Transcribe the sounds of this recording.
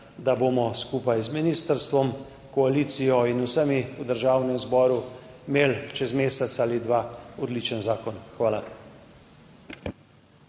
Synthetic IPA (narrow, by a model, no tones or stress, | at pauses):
d̪aboːmɔskuːpajzminiːst̪əɾst̪ʋɔm | kɔaliːt̪sijɔinusəmiud̪əɾʒaːwnɛmzbɔːɾumeːlt͡ʃɛzmeːsɛt̪saːlid̪ʋaːɔd̪lit͡ʃənzaːkɔnxʋaːla